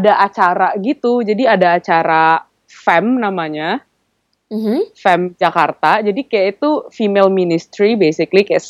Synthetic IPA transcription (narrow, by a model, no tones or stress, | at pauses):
adaʔat͡ʃaɾaɡit̪ud͡ʒadiadaːt͡ʃaɾa | fɛmnamaɲa | fɛmd͡ʒakart̪ad͡ʒadikajaʔit̪ufimelminist̪ɾibesɪklikaja